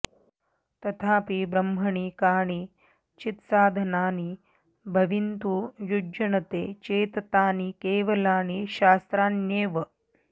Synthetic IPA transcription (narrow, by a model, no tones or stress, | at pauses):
t̪ɐt̪ʰaːpibɾɐmbʱɐɳikaːɳi | t͡ʃit̪saːd̪ʱɐnaːni | bʱɐʋint̪ujuɐɳɐt̪eːt͡ʃeːt̪ɐt̪aːnikeːʋɐlaːniʃaːst̪ɾaːnjeːʋɐ